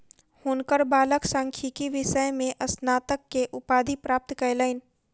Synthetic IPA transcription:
hoːnkəɾbaːləksãːŋkʰikiʋɪʃəjmẽʔɐsnaːt̪əkːeʔʊpaːd̪ʱipɾaːp̚t̪kələɪn

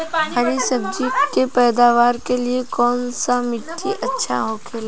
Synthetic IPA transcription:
hɐɾisɐbd͡ʒikepɛːd̪aːʋaːɾkeliekɔːnsamɪʈːiʔɐtːʃʰa̰ɦokʰeːla

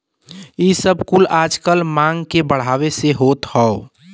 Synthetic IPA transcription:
isəbkulaːd͡ʒkəlmãŋɡkebəɽ̤aːweseɦoːt̪hɔo

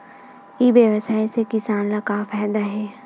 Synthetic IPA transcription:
iʋjɐʋəsaːisekɪsaːnlakafaːɦd̪aɦɛː

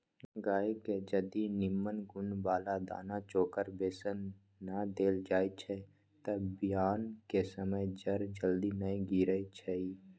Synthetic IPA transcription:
ɡaːiked͡ʒəd̪inɪmːənɡʊnbaːlad̪a̰ːnat͡ʃoːkəɾbeːsənː | ad̪eːld͡ʒaːit͡ʃʰɛ | t̪əbɪjaːnkesəməjd͡ʒəɾd͡ʒəld̪inəĩɡiːɾəit͡ʃʰɛi

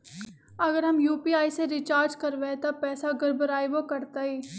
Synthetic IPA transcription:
ɐɡəɾɦɐmjuːpiːaːiseɾɪt͡ʃaːɾd͡ʒkɐɾʋet̪apɛːsaɡəɾbəɾaːiʋokɐɾt̪aːiː

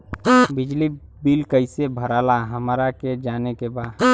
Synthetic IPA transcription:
bɪd͡ʒli | bilkəɪsebʱəɾalaɦəmɾaked͡ʒaːnekebaːd̪

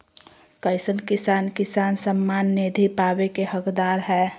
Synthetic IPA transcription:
kəɪsənkɪsaːnkɪsaːnsəmːaːnːed̪ʱipaːʋekehəkd̪aːɾɦɛː

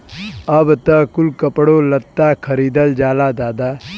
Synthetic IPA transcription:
ɐbt̪ɐkulkəpɽolɐt̪ːakʰəɾiːd̪əld͡ʒaːlad̪aːd̪a

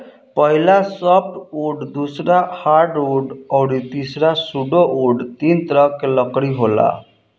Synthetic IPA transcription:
pəɦilasəp̚ʰʈuɖd̪usɾahaɾɖuɖɔwɾit̪isɾasuɖoʔuɖt̪int̪ɾəkːeləkɽiɦola̰

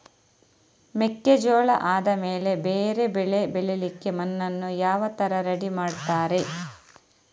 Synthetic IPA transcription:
mekːed͡ʒoːɭɐʔaːd̪ɐme̞ːle̞beːɾe̞bɛɭe̞bɛɭelikːemɐnːɐnːujaːʋɐt̪ɐɾɐɾɐɽimaːɽt̪aːɾe̞

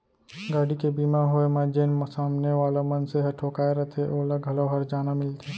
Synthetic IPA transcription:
ɡaːɽikebiːmaɦoemaːd͡ʒeːnmsaːmneʋaːlamɐnseɦɐʈʰoːkaːeɾɐt̪ʰeʔoːlɐɡʱɐloɦɐɾd͡ʒaːnamɪlt̪ʰeː

